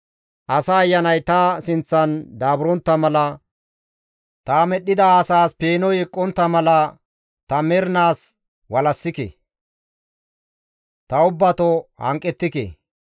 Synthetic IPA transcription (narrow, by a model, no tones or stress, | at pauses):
ʔɐsɐːjːɐnɐjt̪ɐsɪnt͡sːɐnd̪aːbʊɾɔnt̪ːɐmɐlɐ | t̪amɛɗːɪd̪ɐːsaːspeːnɔjɛkʼːɔnt̪ːɐmɐlɐ | t̪ɐmɛɾnaːs | wɐlɐsːɪkḛ | t̪ɐʊbːɐt̪ɔhɐ̰ŋkʼːɛt̪ːɪkḛ